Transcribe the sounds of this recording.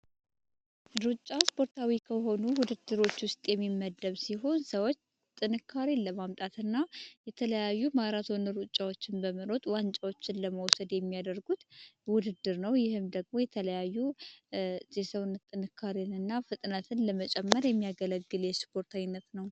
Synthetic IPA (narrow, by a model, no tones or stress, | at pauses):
ɾut͡ʃʼːaspʰo̞ɾt̪ʰawikʰəɦo̞nuwʊd̪ɨd̪ːɨɾo̞t͡ʃːwʊst̪ʼjɛmːimːəd̪ːəβsiɦo̞nsəwo̞t͡ʃː | t̪ʼːɨnɨkʰːaɾinləmamt̪ʼat̪ɨnːajɛt̪ʰələjajːumaɾat̪ʰo̞nəɾut͡ʃʼːawo̞t͡ʃːɪnbəməɾo̞t̪ʼwant͡ʃʼawo̞t͡ʃːɪnləməwsəd̪jɛmːijad̪əɾɡut̪wʊd̪ɨd̪ːɨɾnəwjɪhɨmd̪əɡ̚mo̞jɛt̪ʰələjajːu | zesəwnːət̪ʼːɨnɨkʰːaɾenɨnːafɨt̪ʼnət̪ʰɨnləmət͡ʃʼɛmːəɾjɛmːijaɡələɡːɨljɛspʰo̞ɾt̪ʰawinːət̪nəw